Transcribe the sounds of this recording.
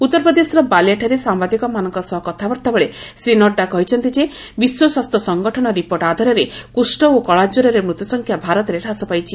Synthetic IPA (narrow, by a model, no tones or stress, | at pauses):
ut̪ːɔɾpɔd̪esɾɔbalaʈʰɔɾesambad̪ikɔmanɔŋkɔsɔɦɔkɔt̪ʰabɔɾt̪abɔɭesɾinɔʈɖakɔɦit͡ʃʰɔnt̪id͡ʒe | biswɔswast̪ʰɔsɔŋɡɔʈʰɔñɔɾipoɾʈad̪ʱɔɾɔɾekusʈɔokɔɭad͡ʒuɾɔɾemɾut̪jɔsɔŋkʰjabʱaɾɔt̪ɔɾeɾasɔpajt͡ʃʰi